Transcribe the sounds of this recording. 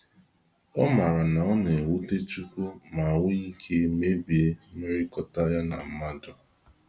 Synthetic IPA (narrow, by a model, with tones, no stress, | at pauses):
ɔ˦ma˨ɾa˨na˨ɔ˦ne˨wu˦te˦t͡ʃu˦ko˦ma˨wʊ˦i˦kʰe˦me˦bi˨e˦me˦ɾi˦kɔ˦ta˦ja˦na̰˨m̩˦ma˦dʊ˨